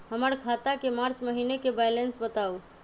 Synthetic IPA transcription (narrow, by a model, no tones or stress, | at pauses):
ɦəməɾkʰat̪akemaɾt͡ʃməɦinekebajlensbət̪au